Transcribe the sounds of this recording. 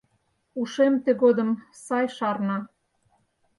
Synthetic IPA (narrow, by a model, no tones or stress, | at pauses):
uʃemt̪eɣod̪ə̆m | sɑjʃɑrnɑ